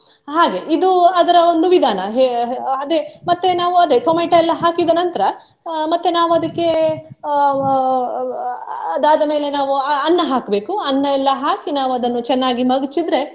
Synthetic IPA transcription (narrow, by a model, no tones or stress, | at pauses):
ɦaːɡe̞ʔid̪uɐd̪ɐɾɐo̞nd̪uʋid̪ʱaːnɐɦeɐd̪emɐt̪ːenaːʋuɐd̪ekɐmeɳʈɐɛlːɐɦaːkid̪ɐnɐnt̪ɐɾɐ | mɐt̪ːenaːʋuɐd̪ɐkːe̞ | ɐd̪aːd̪ɐme̞ːle̞naːʋuɐnːɐɦaːkbe̞ːkuɐnːɐɛlːɐɦaːkinaːʋuɐd̪ɐnːut͡ʃɛnːaːɡimɐɡit͡ʃid̪ɾe̞